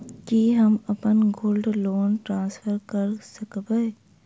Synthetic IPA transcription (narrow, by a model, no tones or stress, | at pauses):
kiɦɐmɐpənɡoːlɖloːnʈɾãːnsfʰəɾkɐɾsɐkbeː